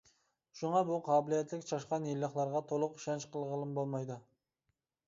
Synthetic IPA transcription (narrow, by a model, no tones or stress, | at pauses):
ʃuŋɑbuqʰɑːbɪlijɛt̪ʰlɪkʲt͡ʃʰɑʃqɑnjelːəχlˠɑɾʁɑt̪ʰolˠʊqʃɛnt͡ʃqʰəlˠʁəlˠɨmbolˠmɑjd̪ɨ